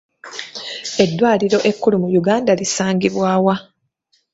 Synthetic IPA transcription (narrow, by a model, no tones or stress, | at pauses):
e̞dːwaːliɾo̞ʔe̞kːulumujuɡaːndalisaːŋɡiβwaːwa